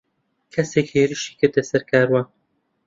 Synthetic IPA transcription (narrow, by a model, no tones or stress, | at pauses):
kʰɛseːkheːɾɨʃi̥ːkɨɾd̪ɛsɛɾkʰaːɾwaːn